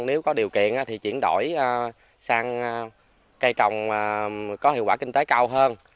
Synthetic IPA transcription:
ne˨˦wkɔ˨˦ɗi˨˩əwkḭ˧˨ənʔaː˨˦˥t̪ʰi˨˩t͡ɕḭ˧˩ənɗo̰˧˩jə˧ | saː˧ŋ˧ | kə˧jt͡ɕɔ˨˩wŋ͡mːkɔ˨˦ɦi˧əŋkwaː˧˩kï˧ŋ̟t̪e˨˦kaː˧wɦəː˧n

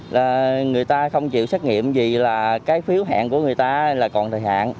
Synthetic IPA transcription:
laː˨˩ŋɨ˨˩əjt̪aː˧xə˧wŋ͡mt͡ɕḭ˧˨wsa˦˥k̚ŋḭ˧˨əmzi˨˩laː˨˩kaː˨˦jfi˨˦əwɦa̰ː˧˨nku˧˩əŋɨ˨˩əjt̪aː˧laː˨˩kɔ˨˩nt̪ʰəː˨˩jha̰ː˧˨n

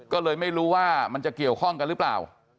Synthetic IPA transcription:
kɔː˥˩lɤː˧jma˥˩jɾuː˦˥waː˥˩ma˧nt͡ɕa˨˩ki˨˩əwkʰɔ˥˩ŋka˧nlɯː˦˥pla̰ː˨˩w

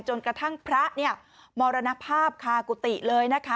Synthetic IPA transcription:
t͡ɕo˧nkɾa˧t̪ʰa˥˩ŋpʰɾa˦˥ʔni˥˩ɐ | mɔː˧ɾa˧na˦˥pʰaː˥˩p̚kʰaː˧ku˨˩t̪i˨˩lɤː˧jna˦˥kʰa˦˥

